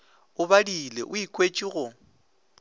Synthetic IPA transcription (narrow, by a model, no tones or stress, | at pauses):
ʊβadilḛʔʊikʼwet͡ʃʼiɣʊ